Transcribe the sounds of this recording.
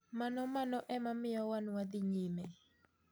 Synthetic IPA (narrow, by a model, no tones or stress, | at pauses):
manɔmanɔʔɛmamɪjɔwanwad̪ɪɲimɛ